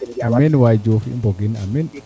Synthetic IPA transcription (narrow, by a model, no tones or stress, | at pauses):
aminwajd͡ʒufḭmboɡinamin